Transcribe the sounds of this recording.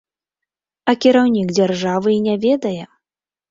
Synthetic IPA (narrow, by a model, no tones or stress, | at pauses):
ɐkʲiɾawnʲiɡd͡zʲarʐavɨinʲavʲɛd̪ɐjɛ